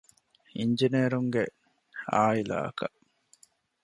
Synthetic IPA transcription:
iɲd͡ʒineːɾuŋɡe | aːila̰ːɐ̰kɐʔ

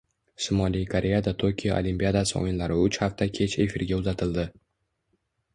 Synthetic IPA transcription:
sʊmɒlijkʰoɾʔe̞jad̪at̪ʰokʲʰijɒʔo̰limpʲijad̪asɨo̰jɪnlaɾɪʊt͡ʃhaft̪ʰakʲʰe̞t͡ʃe̞fiɾɡʲaʊzat̪ʰɪld̪ɪ

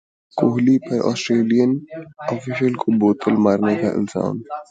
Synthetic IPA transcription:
koːɦlipɐɾʔɔ̰ːsʈɾeːlijənɔːfiʃəlkoboːt̪ʰəlmaːɾneka̰ʔɪ̰nsa̰ːn

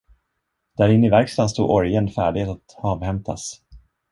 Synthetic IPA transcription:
d̪̥æɾɪnːɪvæɾkst̪anst̪ṵːʔɔɾjənfæːɖɪhet̪at̪ɑːvhɛmt̪ʰa̰s

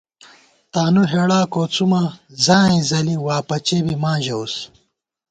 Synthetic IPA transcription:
t̪aːnuɦeːɽaːkoːt͡sumazãːĩzɐliwaːpɐt͡ɕebimãːʑɐus

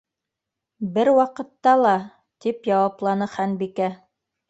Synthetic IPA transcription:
bɘɾwɑqɤ̆t̪ːɑlˠɑ | t̪ipjɑwɑplˠɑnɤχænbikæ

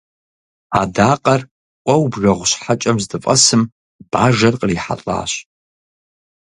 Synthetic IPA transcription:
adaːqʼɐr | kʷʼɐwbʒɐʁʷʊɕħat͡ʃʼɐmzdɨfʼɐsɨm | b̥aːʐɐrqʼəriħa̰t͡ɬʼa̰ːɕ

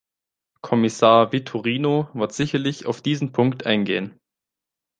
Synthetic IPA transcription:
kʰɔmɪsaːɐvitʰuʁiːnovɪɐtz̥ɪçɐlɪça̰ʊfd̥iːzn̩pʰʊŋktʔa̰ɪnɡḛːən

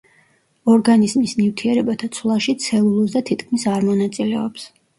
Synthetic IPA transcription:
ɔɾɡanizmisnift̪ʰiɛɾɛbat̪ʰat̪sʰlˠaʃit̪sʰɛlˠulˠusd̪at̪ʰit̪ʰkʰmisaɾmɔnat̪sʼilɛɔps

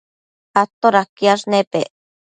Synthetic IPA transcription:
at̪ːoɾakiaʐnepeʔ

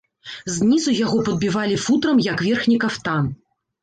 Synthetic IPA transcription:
zʲnʲizujaɣɔpɐd̪̚bʲivalʲifut̪ɾɐmjɐkvʲɛrxnʲikɐft̪an

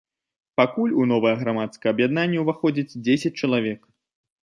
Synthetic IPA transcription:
pakulʲunɔvɐjɐɣɾamat̪skɐjɐbjad̪nanʲːɐwvaxɔd͡zʲit͡sʲd͡zʲesʲɐt͡sʲt͡ʃɐlˠavʲɛk

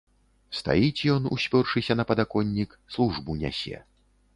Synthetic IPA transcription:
st̪a̰jit͡sʲjɔnṵsʲpʲɔrʂɨsʲɐnɐpɐd̪akɔnʲːik | slˠuʐbunʲa̰sʲɛ̰

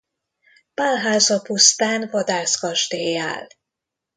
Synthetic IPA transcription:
palɦaːzɒpust̪aːnvɒd̪aːskɒʒt̪eːja̰ːl

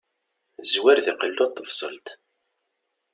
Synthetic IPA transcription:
zwæɾðiqəlːuɑt̪ˤːəfsˤə̰lt̪

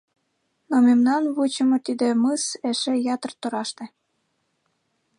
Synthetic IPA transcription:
nomemnɑnβut͡ɕəmot̪id̪emɯseʃejɑt̪ərt̪oɾɑʃt̪ĕ

